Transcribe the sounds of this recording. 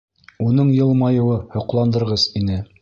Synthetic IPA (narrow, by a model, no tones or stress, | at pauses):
unɤɴjɤ̆lˠmɑjɤ̆wɤhŏqlˠɑnd̪ɤ̆ɾʁɤzinɘ